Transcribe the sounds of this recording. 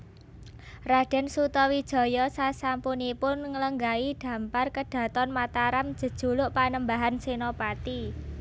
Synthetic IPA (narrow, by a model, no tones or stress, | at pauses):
raɖ̥ɛ̤nsut̪ɔwid̥ʒ̥ɔ̤jɔsasampunipʊnŋələŋɡaid̥ä̤mparkəɖ̥ä̤t̪ɔnmat̪aɾam̥d͡ʒ̥ə̤d̥ʒ̥ṳlʊʔpanəmbaɦansenopat̪i